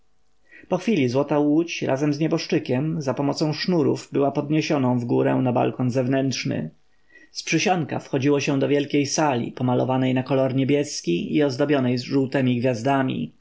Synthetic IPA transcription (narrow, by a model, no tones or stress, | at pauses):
pɔxfʲilʲizwɔt̪awut͡ɕɾa̰zɛmzɲɛbɔʂt͡ʂɘkʲɛmzapɔmɔt̪sɔ̃w̃ʂnuɾṵvbɘwapɔd̪ɲeɕɔnɔ̃w̃vɡuɾɛ̰̃naba̰lkɔnzɛvnɛntʂnɘ̰ | spʂɘɕɔŋka̰fxɔd͡ʑiwɔɕɛd̪ɔvʲjɛlkʲejsalʲḭpɔmalɔ̰vanɛjnakɔlɔɾɲebʲjɛskʲiiɔzd̪ɔbʲjɔnɛjzʐuwt̪ɛmʲiɡvʲjazd̪amʲḭ